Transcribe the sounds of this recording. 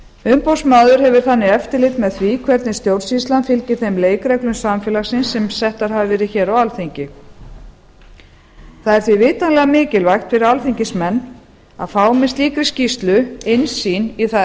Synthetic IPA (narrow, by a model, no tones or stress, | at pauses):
ʏmpowsmaːðʏɾ̥ɦɛvʏɾ̥θanːɪɛft̪ɪlɪt̪mɛðθvikʰvɛɾt̪nɪst̪jowɾ̥sist̪lanfɪlcɪɾ̥θejmleːjkɾɛklʏmsamfɛːlaxsɪnsːɛmsɛht̪aɾ̥ɦavɪvɛːɾɪðçɛːɾawalθiɲcɪ | θaðɛɾθvivɪːt̪anlɛɣamɪːcɪlvajxt̪fɪɾɪɾalθiɲcɪsmɛnː | a̰ðfaːwmɪnst̪liːkɾɪscist̪lʏɪnsiːniθa